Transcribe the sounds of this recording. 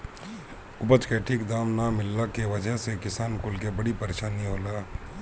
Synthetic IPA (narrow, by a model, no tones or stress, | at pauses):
ʊpət͡ʃkeʈʰikd̪aːmnamɪlːakeʋəd͡ʒəɦsekɪsaːnkʊlkebəɽipəɾeːʃaːniɦoːla